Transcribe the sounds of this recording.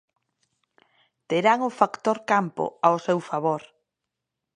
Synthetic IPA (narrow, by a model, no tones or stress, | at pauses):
t̪eɾaŋʊfakt̪oɾkampo̰aosewfaβ̞oɾ